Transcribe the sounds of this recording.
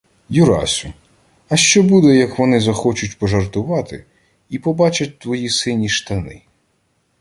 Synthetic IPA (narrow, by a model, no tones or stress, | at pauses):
jʊɾɑ̰sʲʊ | ɐʃt͡ʃɔbud̪ɛjɐkʋɔnɪzɐxɔt͡ʃʊtʲpɔʒɐrt̪ʊʋɑt̪ɪ̰ | ipɔbɑt͡ʃɐt̚ʲt̪ʋɔjisɪnʲiʃt̪ɐnɪ̰